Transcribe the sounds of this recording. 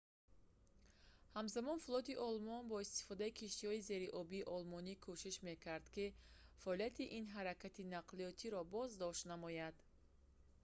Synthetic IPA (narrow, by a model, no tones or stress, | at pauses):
hamzamɔnfulˠɔt̪iʔɔlmɔnbɔist̪i̥fɔd̪aikʰiʃt̪ihɔize̞ɾiʔɔbiːʔɔlmɔnikʰoʃiʃme̞kʰaɾd̪̥kifaɔlijat̪ʰiʔinɦaɾakʰat̪inaqlijɔt̪ʰiɾɔbɔzd̪ɔʃt̪namɔjad̪